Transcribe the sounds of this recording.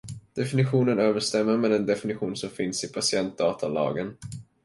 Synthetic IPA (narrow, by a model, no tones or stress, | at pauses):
d̪̥ɛfɪnɪɧuːnənøːvəʂt̪ɛmːəɾmɛːd̪ɛnd̪ɛfɪnɪɧuːnsɔmfɪnsɪpʰasɪɛnt̪̚d̪ɑːt̪ʰalɑ̰ːɡən